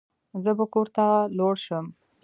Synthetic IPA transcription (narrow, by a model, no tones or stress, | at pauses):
zəbakoɾt̪aloɽʃəm